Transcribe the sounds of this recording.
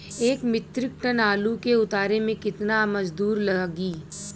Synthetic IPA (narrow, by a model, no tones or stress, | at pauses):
eːkmɪt̪ɾɪk̚ʈənaːlukeʊt̪aːɾemẽkɪt̪namɐd͡ʒd̪uːɾlɐaɡiː